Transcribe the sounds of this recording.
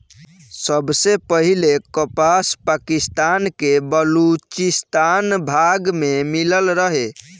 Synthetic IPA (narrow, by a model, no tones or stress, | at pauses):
səbsepəɦilekəpaspakist̪ankebəlut͡ʃist̪anbʱaɡmemiləlɾəɦe